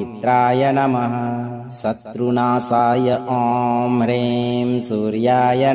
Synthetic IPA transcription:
it̪ɾaːjɐnɐmɐɦɐ̆ | sɐt̪ɾunaːsaːjɐʔɔːmɾeːmsuːɾjaːjɐ

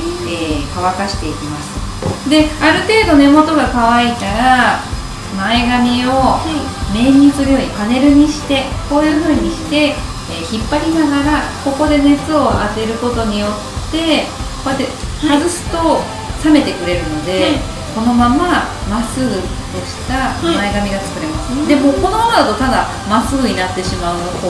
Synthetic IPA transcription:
ekaβakaɕi̥t̪e̞ikʲimasɨ̥ | d̪e̞aɾɯ̟t̪e̞ːd̪o̞ne̞mo̞t̪o̞ɡakaβ̞ait̪aɾa | mae̞ɡamʲio̞ | mẽ̞ɲ̟ːit͡sɨɾʲjo̞ːipane̞ɾɯ̟ɲ̟iɕi̥t̪e̞ko̞ːjɯ̟ːɸɯ̟ːɲ̟iɕi̥t̪e̞ː | çipːaɾʲinaɡaɾako̞ko̞d̪e̞ne̞t͡sɨo̞ʔat̪e̞ɾɯ̟ko̞t̪o̞ɲ̟ijo̞t̪ːe̞kojat̪ːehazɨsɨ̥t̪o̞ | same̞t̪e̞kɯ̟ɾe̞ɾɯ̟no̞d̪e̞ | ko̞no̞mama | masɨ | t̪o̞ɕi̥t̪amae̞ɡamʲiɡat͡sɨ̥kɯ̟ɾe̞masɨ̥d̪e̞mo̞ko̞no̞mamad̪at̪o̞t̪ad̪a | masɨːɲ̟inat̪ːe̞ɕimaɯnoko

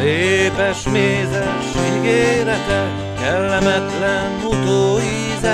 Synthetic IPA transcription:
eːpɛʃmeːzɛʃiɡeːɾɛt̪ɛ | kɛlːɛmɛt̪lɛnɾut̪oːi | zɛ

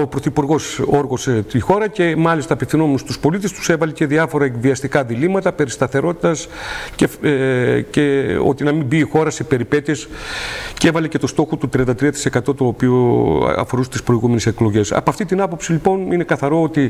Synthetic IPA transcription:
opɾo̞θipuɾɣo̞soɾɣo̞set̪ixo̞ɾɐce̞mɐlist̪ɐpifθino̞menust̪uspo̞lit̪est̪u̥se̞vɐlece̞ðiɐfo̞ɾɐekviɐst̪ikɐðilimɐt̪ɐpe̞ɾist̪ɐθe̞ɾo̞t̪it̪ɐsce | ceo̰t̪inɐmimbiːxo̞ɾɐse̞pe̞ɾipe̞t̪iescevɐlece̞t̪o̞st̪o̞xot̪ut̪ɾiɐnd̪ɐt̪ɾiɐt̪i̥se̞kɐt̪o̞t̪oːpio̰ɐ̰fo̞ɾust̪ispɾo̞iɣume̞nese̞klo̞ʝe̞sɐ̰poɐft̪it̪inɐpo̞psilipo̞nine̞kɐθɐɾo̞ot̪i

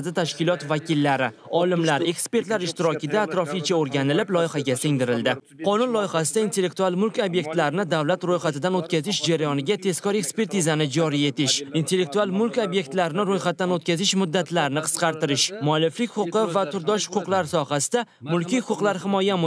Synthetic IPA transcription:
d̪ɪt̪ʰaʃkʲɪlˠɒt̪vakʲɪlːaɾɪɒlɪmlaɾe̞kspe̞ɾt̪laɾɪʃt̪ɪɾɒkʲɪd̪aːt̪ɾɒfijt͡ʃʰaoɾɡʲanɪlɪplˠɒjɪhaɡʲasɪŋd̪ɪɾɪld̪ɪ | qʰɒnʊnlˠɒjɪχasɪd̪aint̪ʰelːe̞k̚t̪ualˠmʊlˠkʲobje̞k̚ʲt̪laɾɪnɪd̪avlat̪ɾojχat̪ɪd̪anot̪̚kʲazɪʃd͡ʒaɾajɒnɪɡʲat̪ʰe̞skʲɒɾe̞kspe̞ɾt̪izanɪd͡ʒɒɾije̞t̪ʰɪʃint̪e̞lːe̞k̚t̪ualˠmʊlkʲobje̞k̚ʲt̪laɾɪnɪɾojχat̪ːanot̪̚kʲazɪʃmʊd̪ːat̪ʰlaɾɪnɪqʰɨ̥sqɑɾt̪ɪɾɪʃmʊalːɪflɪkʲχʊqɨvat̪ʰʊɾd̪ɒʃhʊ̥qʊqlˠaɾsɒhasɪd̪a | mʊlˠkʲijʊqʊqlˠaɾhɪmɒjam

